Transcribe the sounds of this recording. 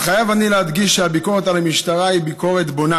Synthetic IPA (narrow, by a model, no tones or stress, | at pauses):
χajavanilehad̪ɡiʃʃeabiko̞ʁet̪alamiʃt̪aʁaibiko̞ʁet̪bona